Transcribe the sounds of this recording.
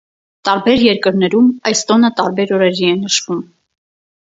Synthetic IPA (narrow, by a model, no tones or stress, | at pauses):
t̪ɑɾbɛɾjɛɾkəɾnɛɾumɑjst̪ɔnət̪ɑɾbɛɾɔɾɛɾiɛnəʃvum